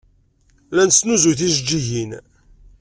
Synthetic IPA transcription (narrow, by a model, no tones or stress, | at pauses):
lænsnuzuθiʒd͡ʒiʝin